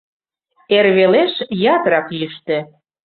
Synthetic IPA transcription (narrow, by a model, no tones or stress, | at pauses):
erβeleʃjɑt̪ɾɑklyʃt̪ĕ